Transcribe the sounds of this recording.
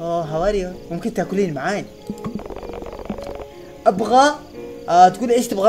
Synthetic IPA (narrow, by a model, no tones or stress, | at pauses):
oɦawaːɾijamʊmkɪnt̪akʊliːnmaʕaːj | ʔabɣa | t̪kuːnʔeːʃt̪ɪbɣa